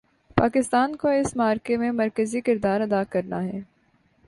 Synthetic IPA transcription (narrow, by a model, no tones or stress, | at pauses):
paːkɪst̪aːnkoɪsmaːɾkemẽmɐɾkəzikɪɾd̪aːɾɐd̪aːkɐɾnaɦɛː